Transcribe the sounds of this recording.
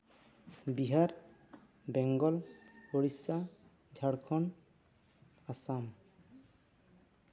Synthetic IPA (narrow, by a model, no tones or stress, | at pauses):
biɦaɾ | bɛŋɡɔloɽisa | d͡ʒʱaɽkʰɔn | asam